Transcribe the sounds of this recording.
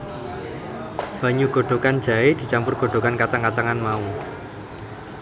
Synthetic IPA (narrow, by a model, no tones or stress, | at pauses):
b̥ä̤ɲuɡ̥o̤ɖ̥o̤kan̥d͡ʒ̥ä̤ed̪̥i̤t͡ʃampʊrɡ̥o̤ɖ̥o̤kankat͡ʃaŋkat͡ʃaŋanmau